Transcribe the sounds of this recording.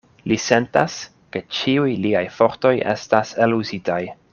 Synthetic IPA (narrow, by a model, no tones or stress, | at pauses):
lise̞nta̰s | ke̞t͡ʃiujliajfo̞ɾto̞je̞̰stase̞luzitaj